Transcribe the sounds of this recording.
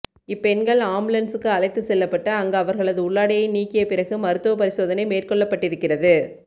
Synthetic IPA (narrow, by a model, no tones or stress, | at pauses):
ɪpːɛnɡɐɭaːmbɯlɐnsɯkːɯɐlɐɪt̪ːɯsɛlːɐpːɐʈːɐɐŋɡɐɐʋɐɾɣɐɭɐðɯʊɭːaːɽɪjɐɪniːkːɪjɐpɪɾɐɣɯmɐɾɯt̪ːɯʋɐpɐɾɪsoːðɐnɐɪmeːrkɔɭːɐpːɐʈːɪɾɯkːɪrɐðɯ